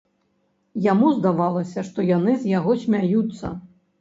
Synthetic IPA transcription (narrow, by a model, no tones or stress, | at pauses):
jamuzd̪avalˠɐsʲɐʂt̪ɔjan̪ɨzʲjaɣɔsʲmʲajut̪sːɐ̰